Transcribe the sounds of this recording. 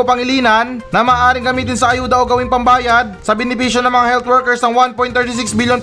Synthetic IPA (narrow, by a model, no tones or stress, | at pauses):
opɐŋɪliːnɐnːɐmaːʔaːɾɪŋɡɐmiːt̪̬ɪnsɐʔɐjuːd̪ɐʔoɡɐwɪŋpɐmbaːjad̪̚sɐbɛnɪpiːʃjonɐŋmɐŋahɛlt̪wɛɹkɛɹsnɐŋwanpojnɛɹt̪ɪs̬ɪksbiljon